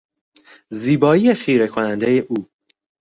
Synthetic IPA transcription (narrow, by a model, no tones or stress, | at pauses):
ziːbɒːijefiːɾe̞kʰonænd̪e̞jeʔuː